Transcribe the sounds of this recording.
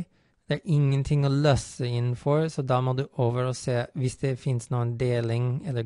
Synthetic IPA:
d̪̥ɛæɾʔɪŋːənt̪ʰɪŋːoːløːsəɪnn̩fɔɹsɔd̪ɑːmɔd̪ʉːʔoːʋəɾɔseːʋɪsd̪ɛfɪnsnuːənd̪eːlɪŋɛlːə

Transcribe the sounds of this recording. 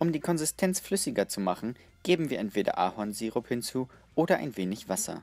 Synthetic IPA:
ʔʊmdiːkʰɔnzɪstʰɛnt͡sflʏsɪɡɐt͡sumaχn̩ | ɡ̥eːbm̩viːɐɛntv̥eːdɐ̰ʔaːhɔnziːʁʊphɪnt͡suː | ʔoːɾɐʔa̰ɪnveːnɪçv̥asɐ̰

